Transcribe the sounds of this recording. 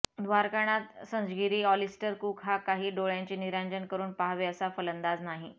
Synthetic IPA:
d̪ʱʋaɾkaɽ̃at̪sə̃ɲd͡zɡiɾiːɔlisʈəɾkukɦakaɦiːɖoɭjãɲt͡ɕiːniɾaɲd͡ʑənkəɾuːnpaɦʋeəsafələnd̪ad͡znaɦi

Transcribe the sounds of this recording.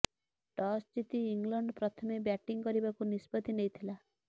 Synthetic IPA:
ʈɔsd͡ʒit̪iːŋɡlɔɳɖpɾɔt̪ʰɔmebjaʈiŋkɔɾibakunispɔt̪inejt̪ʰila

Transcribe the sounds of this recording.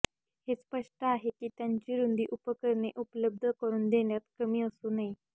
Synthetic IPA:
hespəʂʈəaɦekiːt̪jaɲt͡ɕiːɾund̪ʱiːʔupəkəɾɳeʔupələb̚d̪ʱəkəɾuːnd̪eɳjat̪kəmiːəsuːnai

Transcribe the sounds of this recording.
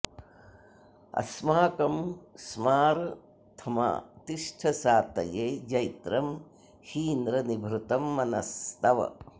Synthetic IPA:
ɐ̰smaːkɐmsmaːɾ | t̪ʰɐma̰ːt̪iʂʈʰɐsaːt̪ɐ̰jeːd͡ʒɐjt̪ɾɐm | hiːnd̪ɾɐnibʱɾut̪ɐmːɐnɐst̪ɐʋɐ̰

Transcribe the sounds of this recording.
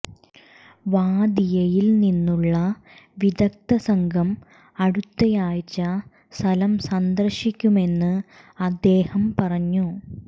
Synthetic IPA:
ʋaːd̪ijɐjilninːuɭːɐ | ʋid̪ɐk̚t̪ɐsɐŋɡʱɐm | ɐɽut̪ːɐjaːjt͡ɕːɐ | st̪ʰɐlɐmsɐnd̪ɐrɕikʲːume̞nːɨ | ɐd̪ːe̞ːhɐmpɐrɐɲːu

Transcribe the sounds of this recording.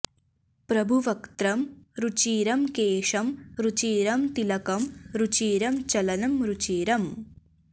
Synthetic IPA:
pɾɐbʱuʋɐkt̪ɾɐmɾut͡ʃiːɾɐmkeːʂɐmɾut͡ʃiːɾɐmt̪ilɐkɐmɾut͡ʃiːɾɐmt͡ʃɐlɐnɐmɾut͡ʃiːɾɐm

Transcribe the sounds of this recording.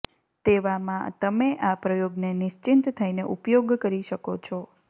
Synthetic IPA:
t̪eʋamãt̪əmeʔapɾəjoɡnenɪʃt͡ʃint̪t̪ʰajneʔupjoɡkəɾiʃəkot͡ʃʰɔ

